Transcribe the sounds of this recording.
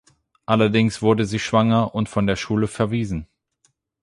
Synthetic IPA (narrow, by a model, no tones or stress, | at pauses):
ʔalɐdɪŋsv̥ʊɐdəziːʃv̥aŋɐʔʊntfɔndeːɐʃuːləfɛɐviːzn̩